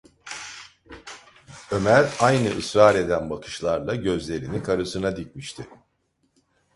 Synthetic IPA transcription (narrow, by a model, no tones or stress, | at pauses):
ø̞mæɾajnɯʔɯsɾaːɾe̞d̪ænbakʰɯ̥ʃlˠaɾlˠaɟø̞zlʲe̞ɾinikʰaɾɯsɯnad̪ic̚ʲmiʃt̪ʰɪ